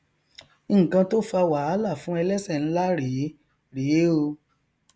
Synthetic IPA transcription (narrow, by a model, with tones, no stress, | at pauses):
kã˧to˦fa˧wa˨a˨˦la˦˨fũ˨˦ɛ˧lɛ˦sɛ˦˨ñ̩˨˦la˦ɾe˨˦ | ɾe˨˦o˧